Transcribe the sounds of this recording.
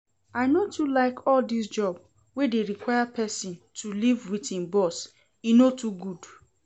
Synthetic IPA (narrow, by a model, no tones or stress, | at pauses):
aɪnotʰulaɪkʰɔldis̬d͡ʒɔb | wedeɹikwaɪapʰɛsĩntʰulivwitĩnbɔs | inotʰuɡud